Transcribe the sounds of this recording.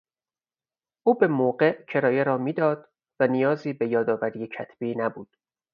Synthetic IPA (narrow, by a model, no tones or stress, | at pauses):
ʔuːbe̞moːɢeʔcʰe̞ɾɒːjeɾɒːmiːd̪ɒːd̪̥ | vænijɒːziːbe̞jɒːd̪ɒːvæɾiːjecʰæt̪ʰb̥iːnæbuːd̪̥